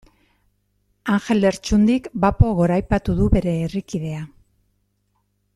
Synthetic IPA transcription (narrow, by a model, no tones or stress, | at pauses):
aŋxe̞le̞ɾt͡ʃund̪ikbapo̞ɣo̞ɾajpat̪uðuβe̞ɾe̞ːrikið̞e̞a